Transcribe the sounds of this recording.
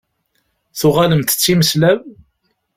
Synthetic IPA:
θʊʁaləmt̪ə̥t͡sːiməslæv

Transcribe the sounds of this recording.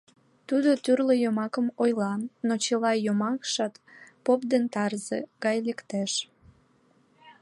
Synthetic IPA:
t̪ud̪ot̪yrləjomɑkəmojlɑnnot͡ɕəlɑjomɑkʃɑt̪popd̪ent̪ɑrzeɡɑjlekt̪eʃ

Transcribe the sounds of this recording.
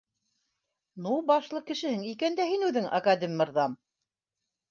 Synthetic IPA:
nubɑʃlˠɤkɘ̆ʃɘ̆hɘŋikænd̪æhinʉðɘŋʔɑ̰kad̪ɘmʲːɤ̆ɾðɑm

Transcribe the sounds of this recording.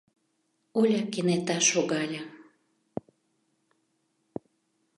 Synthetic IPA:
olʲakenet̪ɑʃoɣɑlʲa

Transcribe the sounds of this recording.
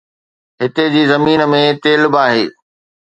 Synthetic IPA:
ɦɪt̪ed͡ʑiːzɐmiːnəmẽt̪eːlbaːɦeː

